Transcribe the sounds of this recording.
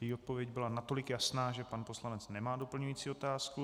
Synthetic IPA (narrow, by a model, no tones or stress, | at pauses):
jɛjiːo̞t̪̚po̞vjɛɟbɪlanat̪o̞lɪkjasnaːʒɛpanpo̞slanɛt͡snɛmaːdopl̩ɲujiːt͡siːo̞t̪aːsku